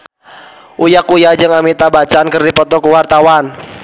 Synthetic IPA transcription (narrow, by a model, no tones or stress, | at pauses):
ʔujakujad͡ʒɨŋamit̪abat͡ʃankərdipɔt̪ɔkuwart̪awan